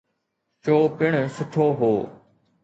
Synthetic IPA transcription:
t͡ʃoːpɪɽ̃sʊʈʰoːɦoː

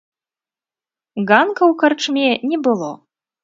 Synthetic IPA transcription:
ɣankɐwkart͡ʂmʲɛnʲɛbɨlˠɔ

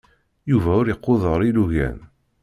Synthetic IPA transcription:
juvæʊɾeqːoðˤəɾˤiluʝæ̰n

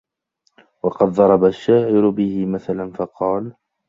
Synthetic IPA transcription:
wɑqɑd̪ðˤɑɾˤɑbaʃːaːʕɪɾʊbɪhɪmaθalanfɑqɑːl

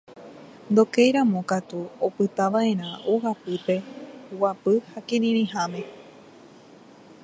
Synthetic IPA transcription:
nd̪o̞kejɾãmõkat̪uopɨt̪aʋaʔẽ̞ɾ̃ãʔohapɨpe̞wapɨhakẽɾĩɾ̃ĩɦãmẽ̞

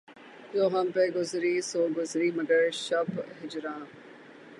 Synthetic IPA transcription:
d͡ʒoːɦɐmpeɡʊzɾisoːɡʊzɾiːmɐɡəɾʃɐbɦɪd͡ʒɾãː

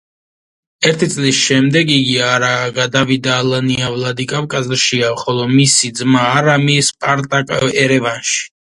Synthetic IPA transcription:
ɛɾt̪ʰit̪sʼlisʃɛmd̪ɛɡiɡiaɾaɡad̪avid̪aːlaniavlad̪ikʼavkʼazɾʃiaχɔlˠɔmisid̪zmaːɾamispʼaɾt̪ʼakʼaɛɾɛvanʃi̥

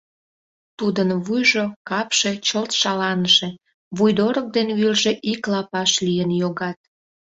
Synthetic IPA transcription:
t̪ud̪ənβujʒokɑpʃe̽t͡ɕəlt̪ʃɑlɑnəʃe̽ | βujd̪oɾək̚d̪enβylʒeʔiklɑpɑʃlijənjoɣɑt̪̚

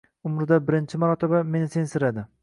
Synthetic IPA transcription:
ʊmɾɪd̪abɪɾɪnt͡ʃʰɪmaɾɒt̪ʰebame̞nɪsensɪɾad̪ɪ

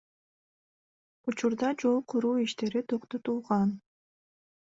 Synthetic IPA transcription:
ut͡ʃuɾd̪ɑd͡ʒo̞lˠqʰuɾuːiʃt̪e̞ɾit̪ʰo̞qt̪o̞t̪ulˠʁɑn

